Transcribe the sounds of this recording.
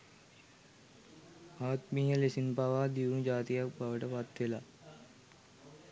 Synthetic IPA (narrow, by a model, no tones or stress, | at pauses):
aːt̪miːɦəlesinpaʋaːd̪iʋud͡ʒaːt̪ijak̚baʋəʈəpat̪ʋela